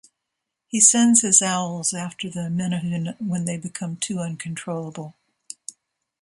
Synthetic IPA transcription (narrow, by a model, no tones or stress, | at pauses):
hisɛ̃ndz̥hɨzaʊl̩ˠzæftə˞ðɨmɛ̃nʌɨ̃nwə̃nðeɪbɨkʰʌ̃mtʰʉʌ̃nkʰɨ̃n̩tʰɹ̥oʊlˠəbl̩ˠ